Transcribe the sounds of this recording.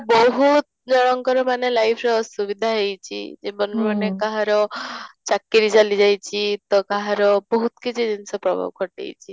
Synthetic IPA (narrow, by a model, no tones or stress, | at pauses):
bɔɦut̪ | d͡ʒɔɽ̃ɔŋkɔɾɔmanelajpʰɾɔsubid̪ʱaɦejt͡ʃʰḭd͡ʒemɔnmɔnekaɦaɾɔt͡ʃakːiɾit͡ʃalid͡ʒajt͡ʃʰit̪ɔkaɦaɾɔbɔɦut̪kit͡ʃʰid̪insɔpɾɔbʱa̰bkɔʈḛjt͡ʃʰi